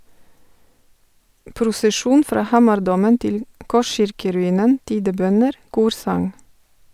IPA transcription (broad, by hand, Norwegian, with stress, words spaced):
pɾʊsəˈʃuːn ˈfɾɑː ˈhɑːmɑɾˌdoːmən ˈtɪl ˈkɔˌʃɪɹkəɾʉˌiːnən ˈtiːdəˌbœnəɾ ˈkuːɾsɑŋ